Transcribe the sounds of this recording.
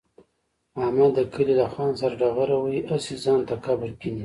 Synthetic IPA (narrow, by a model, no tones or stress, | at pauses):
ahmad̪ːəkʰəlilaxɑnsaɾaɖaɣaɾawəiʔasizɑnt̪akabəɾkini